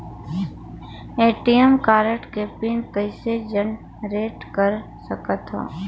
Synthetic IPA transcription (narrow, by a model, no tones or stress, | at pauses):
eːʈijəmkaːɾəʈkeːpinkəɪsed͡ʒən | ɾeːʈkəɾ | səkət̪ɦõ̰ː